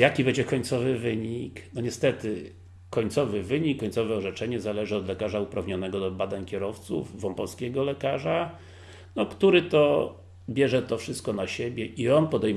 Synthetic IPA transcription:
jakʲibɛɲd͡ʑɛkɔɲt̪sɔvɘvɘɲiknɔɲɛst̪ɛt̪ɘ | kːɔɲʲt̪sɔvɘvɘɲikːɔɲt̪sɔvɛɔʐɛt͡ʂɛɲɛzalɛʐɘɔd̪lɛkaʐaupɾavɲɔnɛɡɔd̪ɔbad̪aɲkʲɛɾɔft̪sṵvvɔmpɔlskʲeɡɔlɛkaʐa | nɔkt̪uɾɘt̪ɔ | bʲjɛʐɛt̪ɔfʂɘst̪̚kɔnaɕebʲjɛʔiɔnpɔd̪ɛj

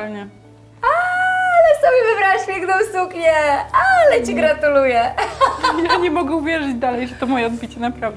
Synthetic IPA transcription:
lɲɛ | alɛsɔbʲjɛvɨbɾaʂpʲjɛŋknɔ̃w̃sukɲɛalɛt͡ɕiɡɾat̪ulujɛ | jaɲɛmɔɡɛuvʲjɛʐɨd͡ʑd̪alɛjʐɛt̪ɔmɔjɛɔd̪bʲit͡ɕɛnapɾavd̪

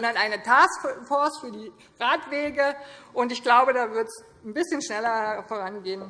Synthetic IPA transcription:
zɔndɐnʔaɪnətʰaːsfɔɐsfyːɐdiː | ʁaːtv̥eːɡəʔʊntɪçɡ̥laʊbədaːvɪɐts | n̩bɪsçənʃnɛlɐfoːʁanɡeːən

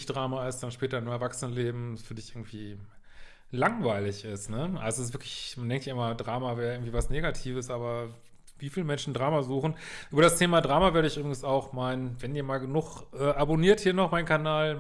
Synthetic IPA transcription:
çd̥ʁaːmaɪsd̥anʃpɛːtɐɪnmɛɐvaksənənleːbm̩asfyːɐdɪçʔɪɐɡŋ̩tv̥iː | laŋvaɪlɪçɪstnəʔa̰lzoɪs̬vɪɐklɪçmandɛŋktjaːɐʔɪmɐdʁaːmavɛːɐjaɪɡŋ̩tv̥iːvasneːɡatʰiːvəsʔaːbɐ | viːfiːləmɛnʃn̩dʁaːmazuːχn̩ʔyːbɐɾastʰeːmadʁaːmavɛɐɾəɪçʔyːbʁɪɡŋ̩saʊxmaɪnnvɛniːɐmaːlɡənʊχʔɛːʔaboniːɐthiːɐnɔχmaɪnkʰanaːl

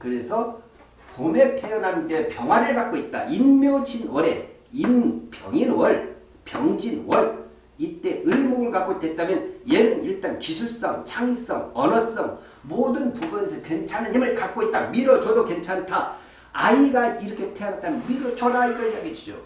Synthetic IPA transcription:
kɯɾe̞sʰʌ | pome̞tʰe̞jʌnɦantepjʌŋɦwanɯɭkak̚k͈oit̚t͈a̰ʔinmjod͡ʑinwʌɾe̞̰ | inpjʌŋinwʌɭ | pjʌ̰ŋd͡ʑinwʌɭ | it͈e̞ɯɭmoɡɯɭkak͈̚oitwet̚t͈amjʌnjeɾɯniɭt͈ankisʰuɭs͈ʌŋt͡ɕʰaŋis͈ʌŋʌnʌs͈ʌŋ | modɯnpubɯnsʰʌkwent͡ɕʰanɯɲimɯɭkak̚k͈oit̚t͈amiɾʌt͡ɕʌdokwe̞nt͡ɕʰantʰa | a̰iɡaiɾʌkʰe̞tʰeʌnɦat͈amjʌnmiɾʌt͡ɕʌɾaiɡʌaɡed͡ʑid͡ʑo̰

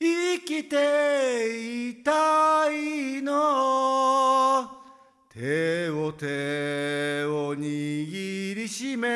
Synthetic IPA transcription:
ikʲit̪e | it̪aiino | t̪ʰeot̪e | oɲiɡʲiɾʲiɕime

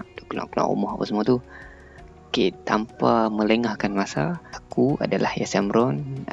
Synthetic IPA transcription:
ʔdkla̰ʔkəla̰ŋṵmɔhapasmuat̪u | kit̪ampamə̃ləŋahkanmasaakua̰dalahjasamɾɔn

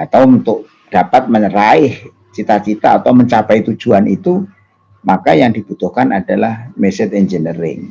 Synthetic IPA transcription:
at̪awunt̪ʊʔ | d̥apat̪̚məɲɾaɪh | t͡ʃit̪at͡ʃit̪aːt̪awməɲt͡ʃapait̪u̥d͡ʒ̥uanʔit̪u | makajaŋdib̥ut̪ʊhkanʔad̥alahmɛsɪt̪ɛnd͡ʒənəɾɪ̰ŋ

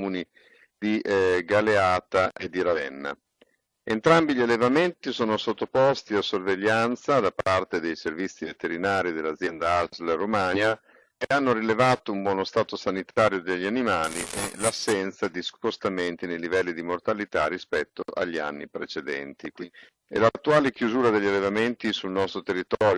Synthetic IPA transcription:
muni | d̪iʔɡaleaːt̪aʔed̪ːiɾavɛnːa̰ | ent̪ɾambiʎialːevament̪isoːnosot̪ːopɔst̪iasːorveʎːant̪sad̪apart̪ed̪ejservit̪sːivet̪eɾinaːɾid̪elːad̪zjɛnd̪aazleromana | keanːoɾilevaːt̪oumbwɔːnost̪aːt̪osanit̪ʰaːɾjod̪eʎːianimaːliʔḛlasːɛnt̪sad̪ispost̪ament̪inejlivɛlːid̪imort̪alit̪arːispɛt̪ːoʔa̰ʎːia̰nːipɾet͡ʃed̪ɛ̰nt̪ikwi | ḛlat̪ːuaːlek̟juzuːɾad̪eʎːalːevament̪isulnɔst̪ɾot̪erːit̪ɔːɾjo

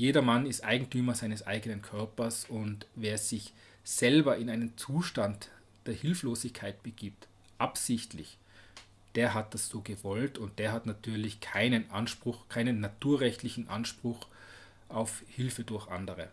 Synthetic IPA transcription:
jeːdɐmanɪstʔaɪɡŋ̩tʰyːmɐzaɪnəsʔa̰ɪɡənənkʰœɐpɐsʊntveːɐz̥ɪç | z̥ɛlbɐɪnaɪnənt͡suːʃtant | d̥eːɐhɪlfloːzɪçkʰaɪt̚b̥əɡ̥iːp̚t | ʔapsɪçtlɪ̰ç | d̥eːɐɦat̚d̥asz̥oːɡəvɔltʰʊnt̚d̥eːɐɦatnatʰyːɐlɪçkʰaɪnənʔanʃpʁ̥ʊxkʰaɪnənːatʰuːɐʁɛçtlɪçn̩ʔa̰nʃpʁ̥ʊx | ʔaʊfhɪlfədʊɐçʔa̰ndəʁə

